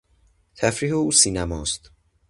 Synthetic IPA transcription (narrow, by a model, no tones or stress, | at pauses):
t̪ʰæfɾiːɦeuːsiːnæmɒːst̪